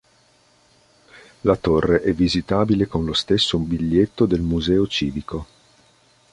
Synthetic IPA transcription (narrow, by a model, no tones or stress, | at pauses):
lat̪orːeʔɛvːizit̪aːbilekonlost̪esːombiʎːet̪ːod̪elmuzɛːot͡ʃiːviko